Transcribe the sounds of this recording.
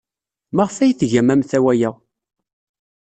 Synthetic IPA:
maʁfæjθʝæmæmθæwæjæ

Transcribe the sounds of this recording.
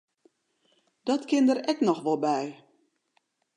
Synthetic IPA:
d̥ɔtkɪndəɾɛknɔxʋɔlˠbɛj

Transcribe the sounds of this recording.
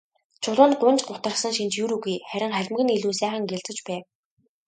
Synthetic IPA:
t͡ɕʰʊɮʊːn̚ɢʊnt͡ɕɢʊt̪ə̆r̆sə̆ŋʃint͡ɕjuɾuɣujχæɾʲɪ̆ŋχæɮʲɪ̆mɡɘ̆niɮuːsæːχə̆ŋɡeɮt͡sə̆t͡ɕpæːw

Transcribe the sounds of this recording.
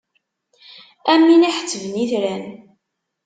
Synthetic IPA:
æmːiniħə̥t͡sːəvəniθɾæn

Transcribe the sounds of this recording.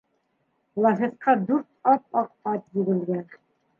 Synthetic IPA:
lˠɑɦet̪qɑd̪ʉɾt̪ɑp̚ɑq̚ɑt̪jɘɡɘ̆lɡæn

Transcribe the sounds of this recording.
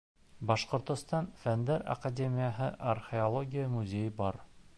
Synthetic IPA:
bɑʃqŏɾt̪ŏst̪ɑnfænd̪ɘɾɐ̰kadʲemʲɪjəɦɤʔɐrxʲeolˠoɡʲijəmuzʲejbɑɾ

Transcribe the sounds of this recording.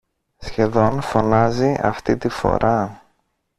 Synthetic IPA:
sçe̞ðo̞nfo̞nɐziɐ̰ft̪it̪ifo̞̰ɾʔɐ

